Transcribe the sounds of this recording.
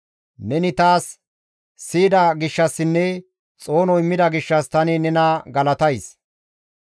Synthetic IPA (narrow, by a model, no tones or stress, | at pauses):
nɛnɪt̪aːsː | iːd̪ɐɡɪʃːɐsːɪnːɛ | t͡sʼo̞ːnɔɪmːɪd̪ɐɡɪʃːɐst̪ɐnɪnɛnɐɡɐlɐt̪ɐjs